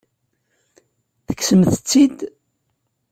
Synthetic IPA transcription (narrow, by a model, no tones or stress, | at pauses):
θə̥kːsəmθət͡sːid̪